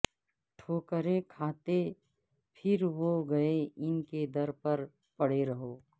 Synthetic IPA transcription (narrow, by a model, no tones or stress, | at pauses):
ʈʰoːkəɾekʰaːt̪e | pʰɪɾʋoɡɐeɪnked̪ɐɾpɐɾ | pɐɽeɾɐɦoː